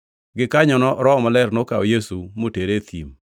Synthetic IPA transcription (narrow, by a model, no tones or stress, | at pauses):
ɡɪkaɲɔnɔɾɔɔmalɛrnokaojesumoteɾet̪ʰḭm